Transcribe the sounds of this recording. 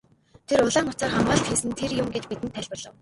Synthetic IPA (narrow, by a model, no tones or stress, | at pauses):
t̪ʰerʊɮaːŋʊt͡saːχamɢə̆ɬt̪xiːsɘ̆nt̪ʰerjʊmɡet͡ɕpit̪ɘ̆nt̪ʰːæɮpə̆rɮə̆w